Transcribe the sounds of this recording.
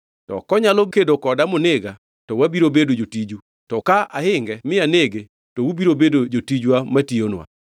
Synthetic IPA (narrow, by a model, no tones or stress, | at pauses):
tɔ̰kɔɲalɔkedokɔdamoneɡa | tɔwabiɾobedod͡ʒotid͡ʒu | tɔkaahɪŋɡɛmɪaneɡe | tɔubiɾobedod͡ʒotid͡ʒwamationwa̰